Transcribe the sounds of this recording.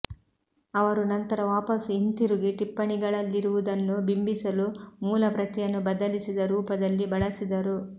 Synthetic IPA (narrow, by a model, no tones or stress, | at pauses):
ɐʋɐɾunɐnt̪ɐɾɐʋaːpɐsint̪iɾuɡiʈipːɐɳiɡɐɭɐlːiɾuʋud̪ɐnːubimbisɐlumuːlɐpɾɐt̪ijɐnːubɐd̪ɐlisid̪ɐɾuːpɐd̪ɐlːibɐɭɐsid̪ɐɾu